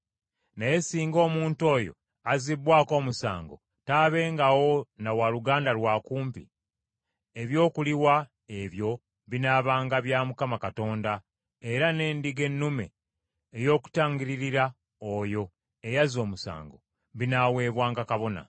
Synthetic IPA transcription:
najesiːŋɡo̞ːmuːnto̞ːjo̞̰ | azibwaːko̞ːmusa̰ːŋɡo̞̰ | taːβe̞ːŋɡawo̞nawaluɡaːndalwaːkuːmpḭ | eβjo̞ːkuliwa | e̞βjo̞ | βinaːβaːŋɡaβjaːmukamakato̞ːnda | e̞ɾane̞ːndiɡe̞nːume̞̰ː | jo̞ːku̥taːŋɡiɾiɾiɾa | ojo̞ | ejazo̞ːmusa̰ːŋɡo̞ | βinaːwe̞ːβwaːŋɡakaβo̞na̰

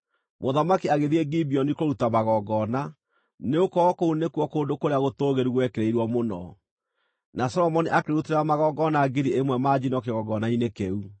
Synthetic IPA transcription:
moðamakiaɣeðiɛɡibiɔnikoɾutamaɣɔɡɔna | neokɔkounekuɔkoːndokoɾeaɣotoɣeɾiɣwɛkeɾeiɾwɔmonɔ | nasɔɾɔmɔniʔakeɾuteɾɾamaɣɔɡɔnaːɡiɾiemwɛmad͡ʑinɔkeɣɔɡɔnainekeu

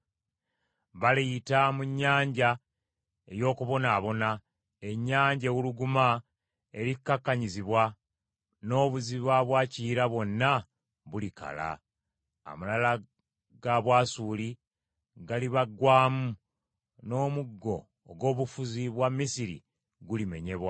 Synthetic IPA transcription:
βaliitamuɲːaːɲɟa | e̞jo̞ːkuβo̞naːβo̞na | e̞ɲːaːɲɟewuluɡuma | e̞ɾikːakːaɲiziβwa | no̞ːβuziβaβwaːciːɾaβwo̞nːa | βulika̰la̰ | a̰malala | ɡaβwaːsuːli | ɡaliβaɡwaːmu | no̞ːmuɡːo̞ː | ɡo̞ːβufuziβwamːisiɾḭ | ɡulime̞̰ɲe̞βwa

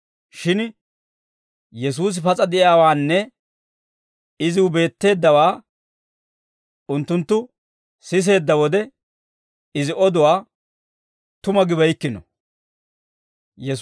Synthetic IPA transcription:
ʃɪn | jɛs̬uːs̬ɪpɐt͡sʼɐd̪ɪʔɪaːwaːnːɛ | ɪzɪwʊbe̞ːt̪ːe̞ːd̪ːɐwaː | ʊnt̪ːʊnt̪ːʊ | sɪs̬e̞ːd̪ːɐwɔd̪ɛ | ɪzɪʔɔd̪ʊwaː | t̪ʊmɐɡɪβɐjkːɪnɔ̰ | jɛs

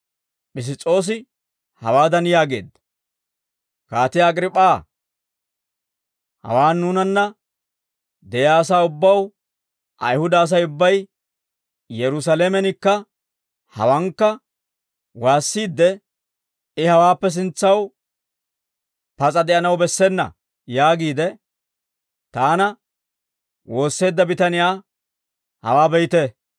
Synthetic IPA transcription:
pʼɪs̬ɪt͡sʼːo̞ːs̬ɪ | hɐ̰waːd̪ɐnjaːɡe̞̰ːd̪ːɐ̥ | kaːt̪ɪjːɡɾɪpʼːaː | hɐ̰waːnːuːnɐnːɐ | d̪ɛjaːs̬aːʊbːɐw | ʔɐ̰jhʊd̪ɐːs̬ɐjʊbːɐj | jɛɾʊs̬ɐlemɛnɪkːɐ | hɐ̰wɐŋkːɐ | waːsːiːd̪ːɛ | ɪhɐwaːpːɛs̬ɪnt͡sːɐw | pɐt͡sʼɐd̪ɛʔɐnɐwbɛsːɛnːɐ̰ | jaːɡiːd̪ɛ | t̪aːnɐ | wo̞ːsːe̞ːd̪ːɐbɪt̪ɐnɪjaː | hɐ̰waːbɛjt̪ɛ

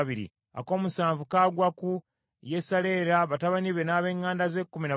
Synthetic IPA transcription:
βiɾḭ | a̰ko̞ːmusaːɱvukaːɡwaku | jesale̞ːɾaβataβaniβenaːβe̞ːŋːaːndaze̞kːumina

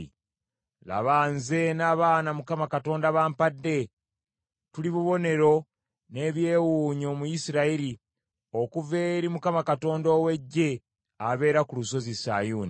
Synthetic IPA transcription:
la̰βaːnze̞naːβaːnamukamakato̞ːndaβaːmpadːe̞ | tuliβuβo̞ne̞ɾo̞ | ne̞βje̞ːwuɲo̞mujisiɾaiɾi | okuve̞ɾimukamakato̞ːndowe̞ɟːe̞ | aβe̞ːɾakuluso̞zisa̰juːni

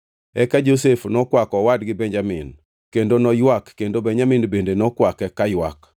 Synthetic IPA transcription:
ɛkad͡ʒosefnɔkwakɔwadɡɪbɛɲd͡ʒamḭn | kendonɔjwakːendobɛɲaminbendenɔkwakɛkajwa̰k

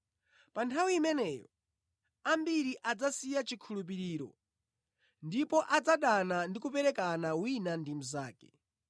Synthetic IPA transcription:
pantʰawiːmɛnɛːjɔ̰ | ambiɾiʔad͡zasijat͡ʃikʰulup̬iɾiːɾɔ̰ | ndipɔʔad͡zaɗanandikupɛɾɛkanawinandimuzaːkɛ̥

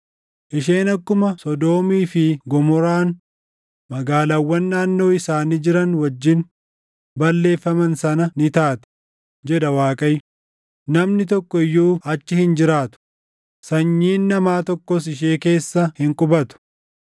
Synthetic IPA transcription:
ʔɪʃe̞ːnɐkːʊmɐsɔd̪o̞ːmiːfɪɡɔmɔɾaːn | mɐɡaːlɐwːɐnːaːnːo̞ːɪsaːnid͡ʒɪɾɐnwɐd͡ʒːɪn | bɐlːe̞ːfːɐmɐnsɐnɐnɪt̪aːt̪ɛ̥ | d͡ʒɛᶑɐwaːkʼɐj | nɐmnɪt̪ɔkːɔɪjːuːɐt͡ʃːɪhɪnd͡ʒɪɾaːt̪ʊ̥ | sɐɲːiːnːɐmaːt̪ɔkːɔsɪʃ̬eːke̞ːsːɐhɪŋkʼʊbɐt̪ʊ̥

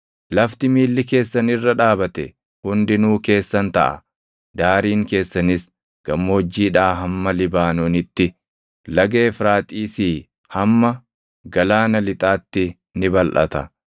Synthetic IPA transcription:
lɐft̪ɪmiːlːɪke̞ːsːɐnɪrːɐᶑaːbɐt̪ɛ̰ | hʊnd̪ɪnuːke̞ːsːɐnt̪ɐ̰ʔɐ̰ | d̪aːɾiːŋke̞ːsːɐnɪs | ɡ̥ɐmːoːd͡ʒːiːᶑaːɦɐmːɐlɪbaːnoːnɪt̪ːɪ | lɐɡe̞ːfɾaːt̪ʼiːsiː | hɐmːɐ | ɡɐlaːnɐlɪt̪ʼaːt̪ːɪ | nɪbɐlʔɐ̰t̪ɐ̰

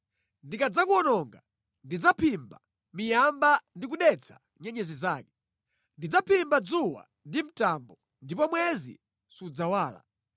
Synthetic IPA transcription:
ndikad͡zakuɔnɔŋɡa | ndid͡zapʰimba | mijambandik̬uɗɛt͡sʰḁ | ɲɛɲɛzizaːkɛ̥ | ndid͡zapʰimbad͡zuwa̰ | ndim̩tambɔ | ndipɔmwɛzḭ | sud͡zawaːla̰

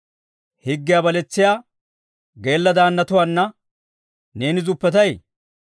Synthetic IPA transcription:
hɪɡːɪjabɐlɛt͡sːɪjaː | ɡe̞ːlːɐd̪aːnːɐt̪ʊwaːnːɐ | ne̞ːnɪzʊpːɛt̪ɐj

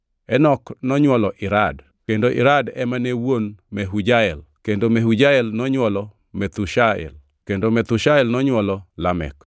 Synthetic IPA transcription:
ɛnɔknɔɲwɔlɔʔɪɾad | kendoʔɪ̰ɾadɛmanewonmɛɦud͡ʒaɛlkendomeɦud͡ʒaɛlnɔɲwɔlɔ | mɛt̪uʃaɛ̰l | kendomɛt̪uʃaɛlnɔɲwɔlɔlamɛ̰k

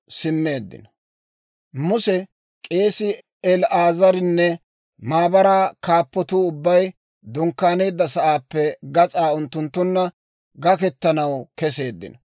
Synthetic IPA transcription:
sɪmːe̞ːd̪ːɪ̰nɐ | mʊsɛ | kʼe̞ːsɪ | ɛlaːzɐɾɪnːɛ | maːbɐɾaːkaːpːɔt̪uːʊbːɐj | d̪ʊŋkːaːne̞ːd̪ːɐsɐʔaːpːɛɡɐt͡sʼaːʊnt̪ːʊnt̪ːʊnːɐ | ɡɐkɛt̪ːɐnɐwkɛse̞ːd̪ːɪ̰nɐ

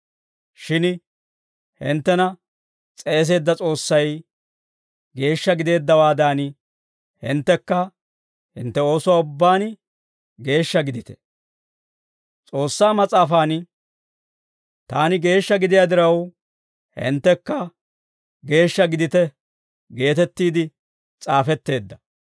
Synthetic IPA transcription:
ʃɪn | hɪ̰nt̪ːɛnɐ | t͡sʼe̞ːs̬e̞ːd̪ːɐt͡sʼo̞ːsːɐj | ɡe̞ːʃːɐɡɪd̪e̞ːd̪ːɐwaːd̪aːn | hɪ̰nt̪ːɛkːɐ | hɪ̰nt̪ːɛo̞ːsʊwaːʊbːaːn | ɡe̞ːʃːɐɡɪd̪ɪt̪ɛ̥ | t͡sʼo̞ːsːaːmɐt͡sʼaːfaːn | t̪aːnɪɡe̞ːʃːɐɡɪd̪ɪjaːd̪ɪɾɐw | hɪ̰nt̪ːɛkːɐ | ɡe̞ːʃːɐɡɪd̪ɪt̪ɛ | ɡe̞ːt̪ɛt̪ːiːd̪ɪ | t͡sʼaːfɛt̪ːe̞ːd̪ːɐ̥

